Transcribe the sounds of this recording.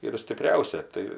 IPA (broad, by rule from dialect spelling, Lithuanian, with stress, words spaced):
ɪr sʲtʲɪˈpʲrʲɛʊsʲɛ ˈtɐɪ